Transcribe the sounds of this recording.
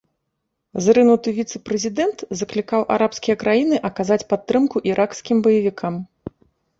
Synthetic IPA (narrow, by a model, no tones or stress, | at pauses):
zɾɨnut̪ɨvʲit̪sɨpɾɛzʲid̪ɛnt̪zɐklʲikawʔa̰ɾʔapskʲijɐkɾʔajinɨʔɐkazat͡sʲpat̪ːɾɨmkuʔiɾʔakskʲimbɐjɐvʲikʰam